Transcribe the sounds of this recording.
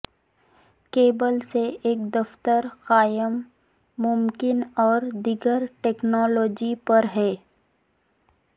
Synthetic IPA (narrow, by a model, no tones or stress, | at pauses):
keːbəlseeːk̚d̪ɐft̪əɾxaːjəmː | ʊmkɪnɔːɾd̪iɡəɾʈɛːknɔːlɔːd͡ʒipɐɾɦɛː